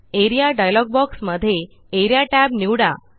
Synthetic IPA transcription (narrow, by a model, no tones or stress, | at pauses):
eɾijaɖajlɔɡ̚bɔksməd̪ʱːje | eɾijaʈæbniwɽa̰